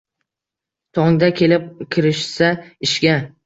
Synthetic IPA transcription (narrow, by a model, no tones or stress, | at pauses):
t̪ʰɒŋd̪akʲʰe̞lɪp̚kʲʰɪɾɪʃsaɪʃɡʲa